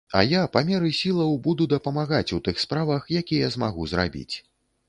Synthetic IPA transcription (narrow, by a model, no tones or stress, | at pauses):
ɐ̰japamʲɛɾɨsʲilˠɐwbud̪ud̪ɐpɐmaɣat͡sʲut̪ɨxspɾavɐxjakʲijɐzmaɣuzra̰bʲḭt͡sʲ